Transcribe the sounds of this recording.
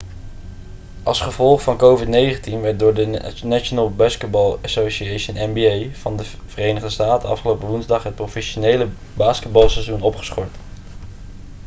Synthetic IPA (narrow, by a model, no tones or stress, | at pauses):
ʔɑlˠsχəvɔlˠχfɑnkowvɪtnejχəntinʋɛt̚dʊːɹdənaʃonəlˠbaːskəd̚bɑlˠasoʃiejʃənɛnbiejv̥ɑndə | v̥ərejnəʁdəstaːtəɑ̰fχəlowpəʋunzdɑχɦət̚profɛʃonejlə | baːskəd̚bɑlˠsɛzunɔpχə̥sχɔɹt